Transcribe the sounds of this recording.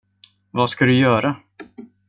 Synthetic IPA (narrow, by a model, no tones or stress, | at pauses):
vaskad̪ɵjœːɾa